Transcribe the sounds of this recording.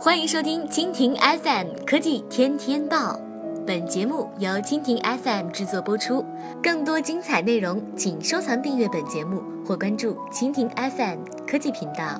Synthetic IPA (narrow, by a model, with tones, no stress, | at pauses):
xwa˥ni˧˥ŋʂo˥ʊt̪ʰi˥ŋt͡ɕʰi˥ŋt̪ʰi˧˥ŋʔɛ˥fɛ˥˩mkʰɤ˥t͡ɕi˥˩t̪ʰjɛ˥nt̪ʰjɛ˥nt̪ɑ˥˩ʊ | pə˨˩nt͡ɕjɛ˧˥mu˥˩jɑ˧˥ʊt͡ɕʰi˥ŋt̪ʰi˧˥ŋʔɛ˥fɛ˥˩mʈ͡ʂɻ̩˥˧t͡swɔ˥˩pwɔ˥ʈ͡ʂʰu˥ | kɤ˥˩ŋt̪̬wɔ˥t͡ɕi˥ŋt͡sʰa˨˩ɪne˥˩ɪɻʊ˧˥ŋt͡ɕʰi˨˩ŋʂo˥ʊt͡sʰɑ˧˥ŋt̪i˥˧ŋɥɛ˥˩pə˨˩nt͡ɕjɛ˧˥mu˥˧ | xwɔ˥˩kwa˥nʈ͡ʂu˥˩t͡ɕʰi˥ŋt̪ʰi˧˥ŋʔɛ˥fɛ˥˩m | kʰɤ˥t͡ɕi˥˩pʰi˧˥ŋt̪ɑ˥˩ʊ